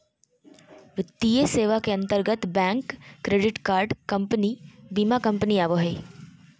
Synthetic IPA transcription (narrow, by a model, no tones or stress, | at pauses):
ʋɪt̪ːijeseːʋakeɐ̃nt̪əɾɡət̪bɛ̃ːŋkːɾeːɖɪʈkaːɾɖkɐmpənibiːmakɐ̃mpəniaːʋoɦeː